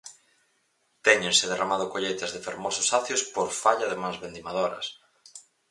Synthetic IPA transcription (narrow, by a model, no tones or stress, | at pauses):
t̪ɛɲẽnsɪðeramaðʊkoʎejt̪ɐzðɪfeɾmɔsʊ̥saθjospoɾfaʎɐðemãnzβend̪imaðoɾɐ̰s